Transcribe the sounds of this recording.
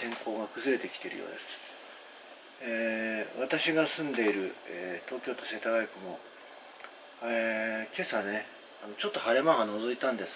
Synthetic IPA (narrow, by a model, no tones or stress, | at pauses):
t̪ẽ̞ŋko̞ːɡakɯ̟zɨɾe̞t̪e̞kʲt̪eɾɯ̟jo̰ːd̪e̞sɨ̥ | eβat̪aɕiɡasɨ̃nd̪e̞iɾɯ̟et̪o̞ːkʲo̞ːt̪o̞se̞ːt̪aɡaikɯ̟mo̞ | eke̞sane̞ | ano̞t͡ɕo̞t̪ːo̞haɾe̞maɡano̞zo̞it̪ãnd̪e̞sɨ̥